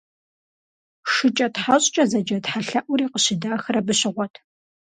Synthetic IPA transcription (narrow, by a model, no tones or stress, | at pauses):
ʂɨt͡ʃʼɐtħaɕʼt͡ʃʼɐzɐd͡ʒɐtħaɬɐʔʷʊɾiːqəɕɪdaːxɨrɐbɨɕɪʁʷɔtʰ